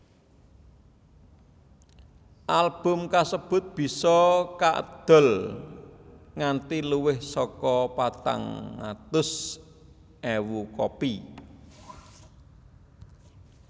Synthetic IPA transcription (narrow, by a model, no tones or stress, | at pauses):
ʔalb̥ʊ̤mkasəb̥ʊ̤t̪̚b̥i̤sɔkaʔə̰d̪̥ɔ̤l | ŋant̪iluwɪhsɔkɔpat̪a̰ŋːa̰t̪ʊs | ɛwukɔpi